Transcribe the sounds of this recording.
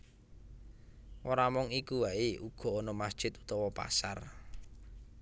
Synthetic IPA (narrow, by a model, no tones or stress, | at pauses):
ʔoɾamɔŋikuwaeuɡ̥ɔ̤ɔnɔmasd̥ʒ̥ɪ̤t̪u̥t̪ɔwɔpa̰sa̰r